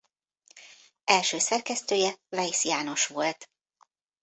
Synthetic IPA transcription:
ɛlʃøːsɛrkɛst̪øːjɛvɛjsjaːno̞ʃʋo̞lt̪

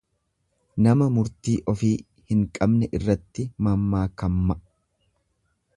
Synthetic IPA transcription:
nɐmɐmʊɾt̪iːʔɔfiː | hɪŋkʼɐbnɛʔɪrːɐt̪ːɪmɐmːaːkɐmːɐ

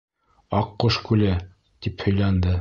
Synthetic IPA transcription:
ɑqːoʃkʉlɘ | t̪iphɵ̆jlænd̪ɘ

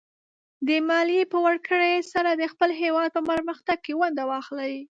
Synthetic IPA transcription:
d̪əmɑljepəwaɽkʰəɽesaɾad̪əxpəlɦewɑd̪̚pəməɾməxt̪aɡ̚kewand̪awɑxlaj

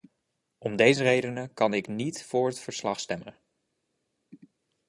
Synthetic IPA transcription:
ʔɔmdejzərejdənəkɑnɪknitfʊːɹɦətfəɹslɑχstɛmə

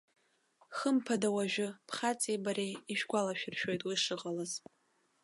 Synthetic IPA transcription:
χəmpʰadawaʒᶣʊpʰχat͡sʼebaɾejiʃᶣɡʷalaʃᶣɪrʃᶣo̞jtʼwiʂɨqʼalaz̥

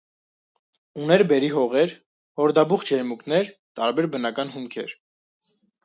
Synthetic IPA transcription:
unɛɾbɛɾiɦɔʁɛɾ | hɔɾd̪ɑbuχd͡ʒɛɾmuknɛɾt̪ɑɾbɛɾbənɑkɑnɦumkʰɛɾ

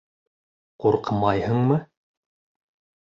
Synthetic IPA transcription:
quɾqmɑjhɤɴmɤ

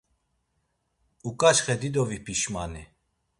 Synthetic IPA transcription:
ukʼat͡ʃχɛd̪id̪ɔvipʰiʃmani

